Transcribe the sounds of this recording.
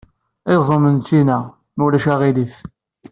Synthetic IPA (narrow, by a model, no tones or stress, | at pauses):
ezˤəmənt͡sːinæ | mulæʃæʁilif